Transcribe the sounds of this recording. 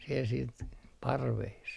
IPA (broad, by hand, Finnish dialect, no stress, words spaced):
siel siːt pɑrʋeːs